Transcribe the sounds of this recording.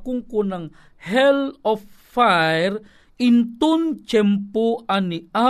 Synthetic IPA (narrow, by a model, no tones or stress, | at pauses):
kuŋkunaŋ | hɛlɔfːajjɾ | int̪unt͡ʃɛmpuania